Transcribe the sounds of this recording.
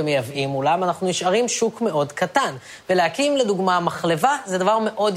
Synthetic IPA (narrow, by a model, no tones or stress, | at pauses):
emejavʔimulamanaχnuniʃaʁimʃukme̞ʔo̞dkatan | veleakimleduɡmamaχle̞vazedavaʁme̞ʔo̞d